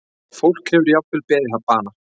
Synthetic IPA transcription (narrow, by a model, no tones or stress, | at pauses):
fowl̥khɛvʏɾjaw̪̚vɪlpɛːɾɪθavpaːna